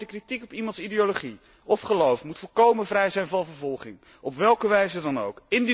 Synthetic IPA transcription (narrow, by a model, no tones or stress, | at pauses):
dəkritikɔpimɑntsideoloχi | ɔfχəlowfmutfoːkowmənvrɛjzɛjnvɑnvəɹvɔlˠχɪŋ | ɔpʋɛlˠkəʋɛjzədɑnowkɪnd